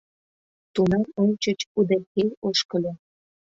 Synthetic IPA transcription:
t̪unɑmonʲt͡ɕət͡ɕud̪erkejoʃkə̆lʲe

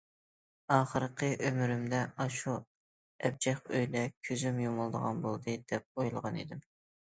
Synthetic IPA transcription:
ɑːχəɾqʰəʔømyɾymd̪ɛʔɑʃu | ɛb̚d͡ʒɛχøjlɛkʲʰøzymjomʊlˠd̪əʁɑnbolˠd̪ɨd̪̥ɛp̚ojulˠəʁɑnḛd̪ɪm

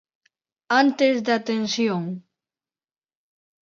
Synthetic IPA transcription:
ant̪ezd̪at̪ensjoŋ

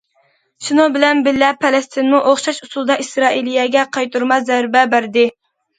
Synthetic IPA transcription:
ʃunubɪlɛnbɪlːɛpʰːɛlɛst̪ʰɪnmuʔoχʃɑʃusulˠd̪ɑʔisɾɑːʔilijɛɡʲɛqʰɑjt̪uɾmɑzæɾbɛbæɾd̪ɪ

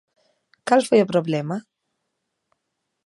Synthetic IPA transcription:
kalfɔjɛpɾɔblɛma

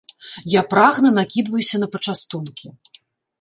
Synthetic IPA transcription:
japɾaɣnɐnakʲid̪vɐjusʲɐn̪ɐpɐt͡ʂast̪unkʲi

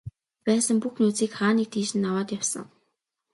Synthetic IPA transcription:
pæːsə̆mpuxnuːt͡siːkχaːniːk̚t̪ʰiːʃɘ̆nːawaːt̪jawsə̰̆ŋ

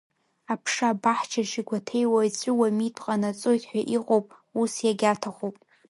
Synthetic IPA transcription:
apʰʂabaħt͡ʃʰaʃiɡʷatʰejwait͡sʷʼʊwamitʰʼqʼanat͡sʼojtʰʼħʷᶣaʔiqʼowpʼ | usjaɡʲatʰaχowpʼ

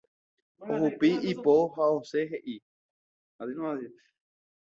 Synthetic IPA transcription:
ohupiipoɦaoseɦeʔi | azinai

